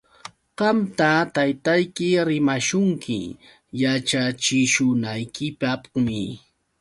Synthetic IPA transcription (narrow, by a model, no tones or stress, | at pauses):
ɢ̥ɑmt̪at̪ajt̪ajkɪɾɪmaʃʊŋkʰɪ̰ | jat͡ʃat͡ʃɪʃʊnajkɪpapmɪ̰